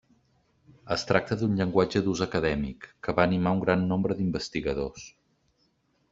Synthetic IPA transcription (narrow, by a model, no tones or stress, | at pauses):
əst̪ɾak̚t̪əðunʎəŋɡwad͡ʒəðuzəkəðɛmikːəβaːnimauŋɡɾanːombɾəðimbəst̪iɣəð̞os